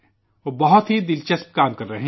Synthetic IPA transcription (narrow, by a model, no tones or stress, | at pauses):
obɐɦʊt̪ɦid̪ɪlt͡ʃəsp̚kaːmkɐɾːɐɦẽ